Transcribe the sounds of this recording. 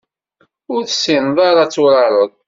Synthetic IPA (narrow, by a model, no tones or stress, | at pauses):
ʊɾθəsːinðˤɑɾˤɑt͡sːuɾˤɑɾˤəðˤ